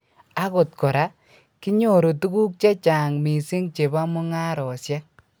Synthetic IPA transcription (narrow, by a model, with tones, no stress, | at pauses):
a˦ko˨t̚kɔ˨ɾa˦ | kɪ˦ɲo˦˨ɾo˨tu˦ku˦k̚t͡ʃe˦t͡ʃa˨ŋmi˨sɪ˦ŋt͡ʃe˨ba˦mʊ˦ŋa˦ɾɔ˨sja˦